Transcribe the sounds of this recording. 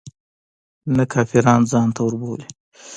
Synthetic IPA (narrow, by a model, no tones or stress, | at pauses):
nakʰɑfiɾɑnzɑnt̪ʰawəɾboli